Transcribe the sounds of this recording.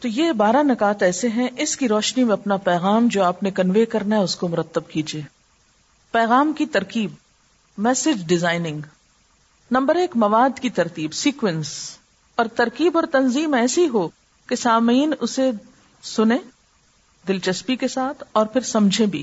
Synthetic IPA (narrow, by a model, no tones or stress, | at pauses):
t̪ojebaːɾanɐkaːt̪ɛːseɦɛ̃ʔɪskiɾɔːʃnimẽɐpnapɛːɣaːmd͡ʒoːaːpnekɐnʋeːkɐɾnaɦɛʊskomʊɾət̪ːəb̚kiːd͡ʒieː | pɛːɣaːmkit̪ɐɾkiːb̚ | mɛːsɪd͡ʒɖɪzaːɪnɪ̃ŋɡ | nɐ̃mbəɾeːkmɐʋaːd̪kit̪ɐɾt̪iːbsiːkʋɛ̃ns | ɔːɾt̪ɐɾkiːbɔːɾt̪ɐnziːmɛːsiɦo | kesaːmiːnʊse | sʊnẽ | d̪ɪlt͡ʃɐspikesaːt̪ʰɔːɾpʰɪɾsɐmd͡ʒʱẽbʱḭː